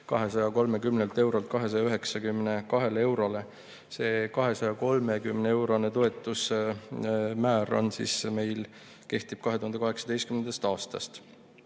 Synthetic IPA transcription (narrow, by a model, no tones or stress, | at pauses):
kɑɦe̞sɑjɑko̞lme̞kymnelt̪e̞wɾolt̪̚kɑɦe̞s̬ɑjɑyɦe̞ksɑkymne̞kɑɦe̞le̞wɾo̞le̞ | se̞ːkɑɦe̞sɑjɑko̞lme̞kymnee̞wɾo̞net̪o̞e̞t̪ːˑus | mæːro̰nsḭsme̞jl | ke̞ht̪ib̥̚kɑɦe̞t̪uhɑnd̪kɑɦe̞ksɑ̥d̪ejst̪̚kymnend̪ɑst̪ɑːst̪ɑst̪